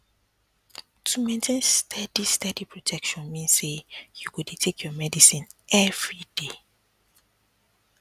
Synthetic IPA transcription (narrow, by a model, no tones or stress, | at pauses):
tʰumẽntʰẽnstʰɛdistɛdipʰɹotʰɛkʃɔ̃nmĩnsːejuɡudetʰekʰjɔmɛdisĩnʔɛvɹid̥e